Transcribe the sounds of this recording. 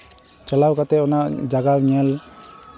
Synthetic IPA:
t͡ʃalawkat̪ɛɔnaʔd͡ʒaɡawɲɛl

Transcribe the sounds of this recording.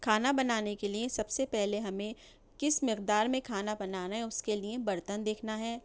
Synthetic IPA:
kʰaːnabɐnaːnekeliẽsɐbsepɛɦleɦɐmẽ | kɪsmɪqd̪aːɾmẽkʰaːnabɐnaːnaɦɛʊskeliebɐɾt̪ənd̪eːkʰnaɦɛː

